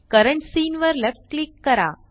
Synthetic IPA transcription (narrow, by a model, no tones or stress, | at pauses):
kɐɾəɳʈsiːnʋəɾlefʈ̚klikːɐɾã̰ː